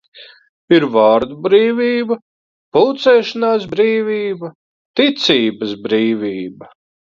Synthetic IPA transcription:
iɾvaːɾd̪ubɾiːvʲiːbɐ | pulˠt̪sɛːʃanaːsbɾiːvʲiːbɐ | t̪it̪siːbɐsbɾiːvʲiːbɐ

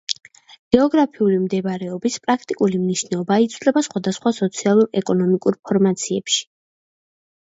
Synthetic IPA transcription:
ɡ̥ɛɔɡɾapʰiulimd̪ɛbaɾɛɔbispʼɾakʰt̪ʼikʼulimniʃnɛɔbait̪sʰvlɛbasχwad̪asχwasɔt̪sʰialˠuɾɛkʼɔnɔmikʼuɾpʰɔɾmat̪sʰiɛpʃi̥

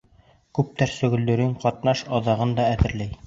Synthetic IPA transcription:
kʉp̚t̪æɾsɵ̆ɡɘ̆ld̪ɵ̆ɾɘŋqɒt̪nɑʃɑðɑʁɤnd̪ɑæðɘ̆ɾlæj

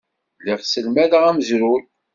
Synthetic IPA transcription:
liʁsəlmæðʁæməzɾuɾ

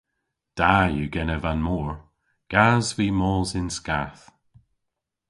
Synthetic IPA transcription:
d̥ajuɡɛnəvanmɔːɹ | ɡ̥azviːmɔːzɪnska̰θ

